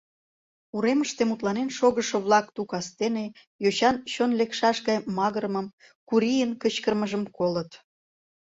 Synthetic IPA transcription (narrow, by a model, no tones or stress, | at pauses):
uɾeməʃt̪emut̪lɑnenʃoɣəʃŏβlˠɑkt̪ukɑst̪ene | joɕɑnɕonlekʃɑʃɣɑjmɑɣəɾəməm | kuɾijənkət͡ɕkərməʒəmkolət̪